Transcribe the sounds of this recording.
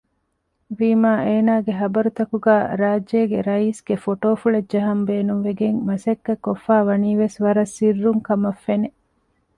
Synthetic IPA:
ʋiːmaːʔeːnaːɡeɦɐbɐɾut̪ɐkuɡæːɾaːd͡ʒːeːɡeɾɐiːsɡ̥efoʈoːfuɭɐdd͡ʒɐɦɐmbeːnunʋeɡeŋmɐsɐkːɐkːofːaːʋɐniːʋesʋɐɾɐsːirːuŋkɐmɐfːene

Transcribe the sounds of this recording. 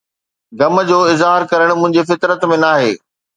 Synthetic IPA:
ɡɐmə̆d͡ʑoːɪzɦaːɾkɐɾəɽ̃mʊ̃ɦɪ̃ɲd͡ʑefɪt̪ɾət̪mẽnaːɦḛː

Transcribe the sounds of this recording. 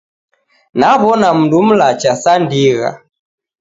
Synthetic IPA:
naβɔnam̩dum̩lat͡ʃasandiɣa̰

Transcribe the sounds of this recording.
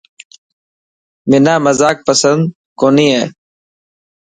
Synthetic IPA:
mɪnaːməzaːk̚pəsənd̪̚ | koːniːɦeː

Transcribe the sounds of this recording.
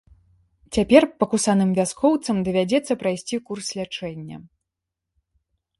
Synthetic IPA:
t͡sʲapʲɛrpɐkusanɨmvʲaskɔwt̪sɐmd̪ɐvʲad͡zʲɛt̪sːɐpɾajsʲt͡sʲikurslʲat͡ʂɛnʲːɐ̰

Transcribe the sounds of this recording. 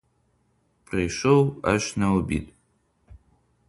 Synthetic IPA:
pʰʼreʂowa̰ʃnawbḭtʼ

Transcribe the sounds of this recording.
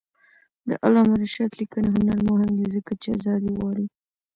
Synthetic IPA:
d̪ə̰ʔalɑmaɾaʃat̪likəneɦʊnaɾmoɦɪmd̪izəkat͡ʃea̰zɑd̪iwɑɽi

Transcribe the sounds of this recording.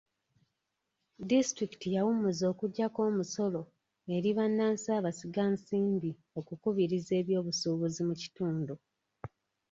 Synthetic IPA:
distɾikitijawumuzo̞ːkuɟːako̞ːmuso̞lo̞ | e̞ɾiβanːaːnsaːβasiɡansiːmbi | o̞kukuβiɾize̞ːβjo̞ːβusuːβuzimuci̥tuːndu

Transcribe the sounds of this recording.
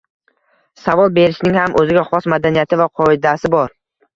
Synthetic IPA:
savɒlˠbe̞ɾɪʃnɪŋhamʔɵzɪɡʲaχɒsmad̪anijat̪ʰɪvaqʰɒɪd̪asɪbɒɾ

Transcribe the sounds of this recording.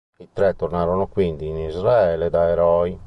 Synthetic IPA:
it̪ɾɛt̪ːornaɾonokwind̪iːnizraɛːlɛd̪aɛɾɔi

